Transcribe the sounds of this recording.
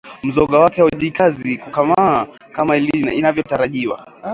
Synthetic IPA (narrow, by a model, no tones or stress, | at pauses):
m̩zɔɠawakɛwauʄikazikukama | kamailiina̰inavjɔtaɾaʄiwa̰